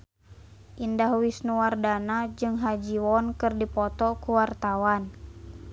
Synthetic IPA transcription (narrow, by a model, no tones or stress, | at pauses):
ʔindahwisnuwardanad͡ʒɨŋɦad͡ʒiwɔnkɨrdipɔt̪ɔkuwart̪awan